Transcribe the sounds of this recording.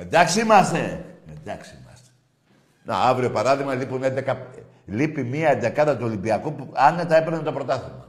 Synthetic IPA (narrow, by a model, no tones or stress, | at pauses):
end̪ɐksiimɐst̪e̞end̪ɐksiimɐ̰st̪e̥ | nḛɐvɾiopɐɾɐðiɣmɐlipunend̪ekɐ | lipimiɐend̪ekɐt̪ɐt̪uo̞limbiɐkuɐnet̪ɐepenet̪o̞pɾo̞t̪ɐθimɐ